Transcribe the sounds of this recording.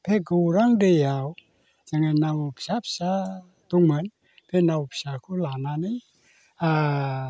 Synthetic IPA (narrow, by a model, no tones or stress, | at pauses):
pʰeɡəuɾaŋdejaw | d͡ʒəŋənːapi̥sapsa | t̪uŋmən | pʰɛnawupi̥sakulanani | a